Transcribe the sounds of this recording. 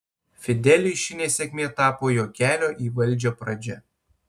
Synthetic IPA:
fʲɪd̪ʲɛlʲɪʃʲɪnʲeːsʲɛkʲmʲeːt̪ɑːpoːjoːkʲæːlʲoːʔiːʋɐlʲˑd͡ʒʲoːpɾɐd͡ʒʲɛ

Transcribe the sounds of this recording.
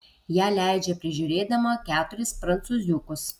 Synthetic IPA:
jæːlʲæˑɪd͡ʒʲɛpʲɾʲɪʒʲʊːɾʲeːd̪ɐmoːkʲæːt̪ʊɾʲɪspɾɐnt̪suːzʲʊkʊs

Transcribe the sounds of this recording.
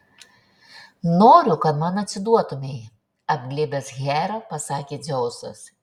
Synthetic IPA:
noːɾʲʊkɐt̪mɑnɐt̪ʲsʲɪd̪uɔt̪ʊmʲɛɪ | ɐbʲɡlʲeːbʲesɣʲæːɾoːpɐsɑːkʲeːzʲɛʊsɐ̰s

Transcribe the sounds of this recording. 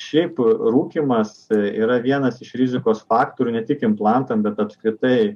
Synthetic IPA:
ʃʲɛɪpɾuːkʲiːmɐsḭːɾɐʋʲiɛnɐsɪʃɾʲɪzʲɪkoːsfɑːkt̪oːɾʲuːnʲɛt̪ʲɪkɪmplˠɑnt̪ɐmbʲɛt̪ɐpskɾʲɪt̪ɐɪ

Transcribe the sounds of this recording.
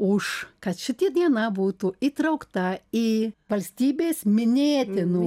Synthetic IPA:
ʊʃkɐt̪ʃʲɪt̪ʲid̪ʲiɛnɐbuːt̪uit̪ɾɐʊkt̪ɐiːʋɐlʲsʲt̪ʲiːbʲeːsmʲɪnʲeːt̪ʲɪnu

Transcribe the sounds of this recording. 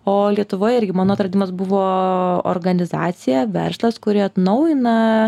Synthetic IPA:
oːlʲiɛt̪ʊʋoːjɪɾʲɡʲɪmɑːnoːɐt̪ɾɐd̪ʲiːmɐsbʊʋoːo̰ɾɡɐnʲɪzɑːt̪sʲɪjɛʋʲɛ̰ɾslˠɐskʊɾʲɪɐt̪nɐʊjɪnɐ

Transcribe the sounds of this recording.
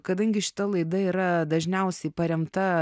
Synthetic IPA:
kɐd̪ɐŋʲɡʲɪʃʲɪ̥t̪ɐlˠɐɪd̪ɐiːɾɐd̪ɐʒʲnʲɛʊsʲɛɪpɐɾʲɛmt̪ɐ

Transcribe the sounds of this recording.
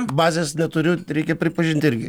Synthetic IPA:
bɑːzʲeːsnʲɛt̪ʊɾʲʊɾʲɛɪkʲɛpʲɾʲɪpɐʒʲɪnʲt̪ʲɪɾʲɡʲɪ

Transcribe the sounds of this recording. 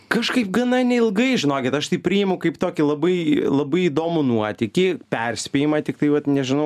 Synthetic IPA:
kɐʃkɐɪpɡɐnɐnʲɛɪlˠɡɐɪʒʲɪnoːkʲɪt̪ɐʃt̪ɐɪpʲɾʲijɪmɐʊkɐɪpt̪oːkʲɪlˠɐbɐɪlˠɐbɐɪid̪oːmʊnuɔt̪ʲɪkʲɪpʲɛrʲsʲpʲeːjɪmɐt̪ʲɪkt̪ɐɪʋɐt̪nʲɛʒʲɪnɐʊ

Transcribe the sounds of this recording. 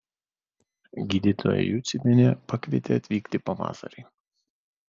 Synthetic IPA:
ɡʲiːd̪ʲit̪ʰo̰ːjɛ̰juːt̪sʲɪmʲɛnʲɛpɑkʋʲiɛt̪ʲeɐt̪ʲʋʲiːkt̪ʲɪpɐʋɑ̰ːsɐ̰ɾʲɛɪ

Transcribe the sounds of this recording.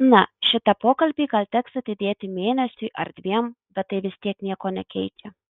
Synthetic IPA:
nɐʃʲɪt̪ɐpoːkɐlʲbʲiːɡɐlʲt̪ʲɛksɐt̪ʲɪd̪ʲeːt̪ʲɪmʲeːnʲɛsʲʊɪʔɐ̰ɾd̪ʲʋʲiɛm | bʲɛt̪̚tɐɪʋʲɪsʲt̪ʲiɛknʲiɛkoːnʲɛkʲɛɪt͡ʃʲɛ

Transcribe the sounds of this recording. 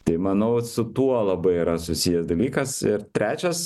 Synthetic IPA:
t̪ɐɪmɐnɐʊsʊt̪uɔlˠɐbɐɪiːɾɐsʊsʲijɛsd̪ɐlʲiːkɐsɪɾt̪ʲɾʲæːt͡ʃʲɛs

